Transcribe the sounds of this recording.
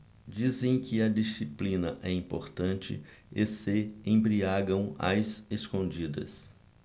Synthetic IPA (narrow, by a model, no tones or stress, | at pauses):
d͡ʒizẽj̃kɪɐd͡ʒisiplĩnɐʔɛĩpoɾt̪ɐ̃nt͡ʃɪ̰esɪẽj̃bɾiaɡɐ̃w̃ɐ̰zeskõd͡ʒid̪ɐ̰s